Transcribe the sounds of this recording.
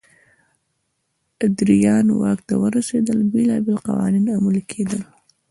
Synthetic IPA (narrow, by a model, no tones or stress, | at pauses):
ʔad̪ɾɪjaːnwa̰ːɡt̪awɑrˤɑsid̪albilabɪlqɑ̰wa̰ːniːnamʊlkʰːid̪al